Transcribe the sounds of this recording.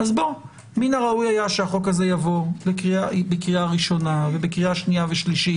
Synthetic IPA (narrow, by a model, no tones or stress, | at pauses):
azbo | minaʁaujajaʃeaχo̞kaze̞javo̞bekʁiabekʁiaʁiʃo̞navebekʁiaʃniaveʃliʃi